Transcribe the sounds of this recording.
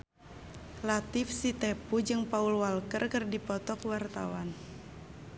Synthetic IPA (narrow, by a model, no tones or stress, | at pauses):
lat̪ɪfsit̪ɛpud͡ʒɨŋpaulwalkərkɨrdipɔt̪ɔkwart̪a̰wan